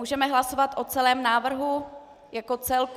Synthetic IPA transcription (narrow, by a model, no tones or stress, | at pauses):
uːʒɛmɛɦlaso̞vat̪ʔot͡sɛlɛːmnaːvr̩ɦu | jako̞t͡sɛlk